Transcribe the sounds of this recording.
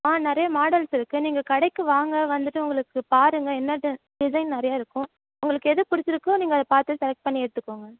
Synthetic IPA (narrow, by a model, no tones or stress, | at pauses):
aːnɪɾɐjɐmaːɽɐlsɪɾɯkːɯniːŋɡɐkɐɽɐɪkːɯʋaːŋɡɐʋɐnd̪ɯʈːɯʊŋɡɐɭɯkːɯpaːɾɯŋɡɐɛnːɐʈːɯ | ɖɪsɐɪnnɪɾɐjaːɪɾɯkːʊ̃ | ʊŋɡɐɭɯkːɯɛðɯpʊɾɪt͡ʃːɪɾɯkːõniːŋɡɐðɐpaːɾt̪ɯsɛlɐk̚ʈ̚pɐɳːiɛɽɯt̪ːɯkːoːŋɡɐ